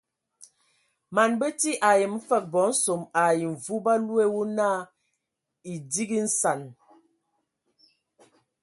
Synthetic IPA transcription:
ma˨nbə˦ti˦ʔa˨jə˨m̩˦fə˦˨k̚bɔ˨˦n̩˦so˨ma˨ji˨ɱ̩˨vu˦ba˦lu˦e˦wo˦naː˦ | i˨di˦ɡi˦n̩˦sa˨n

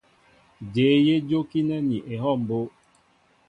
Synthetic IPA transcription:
d͡ʒeː˨˦je˦d͡ʒo˦ki˦nɛ˦ni˨ʔe˨ɦɔ˦˨m̩˨bo˦

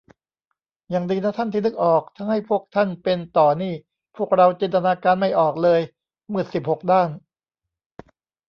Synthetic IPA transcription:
jaː˨˩ŋdiː˧naː˦˥t̪ʰa˥˩nt̪i˥˩nɯ˦˥k̚ʔɔː˨˩k̚t̪ʰa˧ŋha˥˩jpʰu˥˩ək̚t̪ʰa˥˩npe˧nt̪ɔː˨˩niː˥˩ | pʰu˥˩ək̚ɾa˧wt͡ɕi˧nt̪a˧naː˧kaː˧nma˥˩jʔɔː˨˩k̚lɤː˧j | mɯ˨˩ət̪si˨˩p̚ho˨˩k̚daː˥˩n

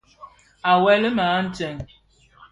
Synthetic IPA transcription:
a˨wɛ˦lə˦maː˨˦n̩˦t͡ʃɛ˨ŋ

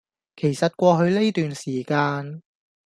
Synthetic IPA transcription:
kʰe˨˩jsɐ˨t̚kʷɔː˧ɦɵ˧ɥle˥t̪yː˨nsiː˨˩kaː˧n

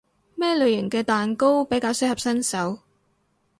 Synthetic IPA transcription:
mɛː˥lɵ˨ɥjɪ˨˩ŋkɛː˧t̪aː˨nko˥wpe˨˥jkaː˧wsɵ˥hɐ˨p̚sɐ˥nsɐ˨˥w

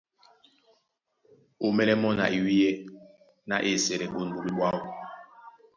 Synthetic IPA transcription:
u˨mɛ˦lɛ˦mɔ˦na̰˨ʔi˨wi˦jɛ˦ | na̰˦ʔe˦˨sɛ˨ɾɛ˨ɓo˦˨nu˨bi˦ɓwa˦u˨

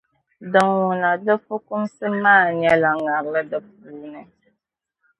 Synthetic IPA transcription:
dɨ˨ŋwu˨na˨dɨ˦fu˦ku˦msɨ˦maː˦˨ɲɛ˦la˨ŋa˨ɾlɨ˦dɨ˨p̚uː˨˦nɨ˨

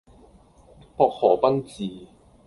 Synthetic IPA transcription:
pɔː˧k̚hɔː˨˩pɐ˥nt͡siː˨˩

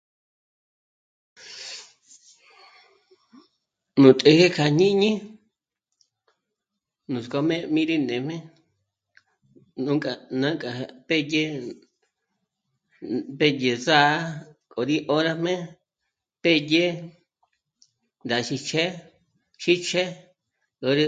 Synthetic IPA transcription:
nũ˨t̪ʼe˧he˦kʰa˧ɲ̥ĩ˦ɲĩ˦ | nũ˨sko˧mẽ˦mĩ˦ɾi˦nẽ˨˧m̥ẽ˦ | nũ˦kʼa˨˧nã˦ŋkʼa˨˧pe˦je˦ | pe˦je˧˨za˦kʼo˨ɾi˦ʔo˦ɾa˧mẽ˦ | pe˦je˦ | nd̪a˨ʃi˧t͡ʃʰe˦ | ʃi˦t͡ʃʰe˦ | ko˧ɾi˧

